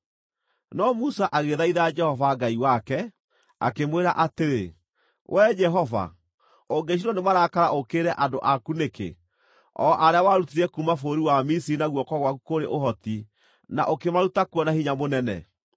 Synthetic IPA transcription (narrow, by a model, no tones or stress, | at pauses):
nɔmusaʔaɣeðaiðad͡ʒɛhɔvaɡaiwakɛ | a̰kemweɾaʔateɾe | wʔɛd͡ʒɛɦɔva̰ | oŋɡeʃ̬iɾɔnemaɾakaɾaʔokeːɾɛʔadoʔakunekḛ | ɔ̰ʔaɾeawaɾutiɾɛkumafoːɾiwamisiinaɣwɔkɔɣwakukoɾḛʔoɦɔti | na̰ʔokemaɾutakwɔnahiɲamonɛnɛ̰